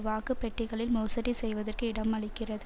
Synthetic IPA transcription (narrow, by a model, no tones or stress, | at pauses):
ʋaːkɯpːɛʈːɪɣɐɭɪlmɔːsɐɾisɛjʋɐðɐrkɯɪɽɐmɐɭɪkːɪrɐðɯ